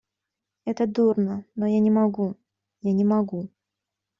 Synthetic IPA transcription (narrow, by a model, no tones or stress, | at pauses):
ɛt̪əd̪urnənojanʲɪmɐɡu | janʲɪmɐɡu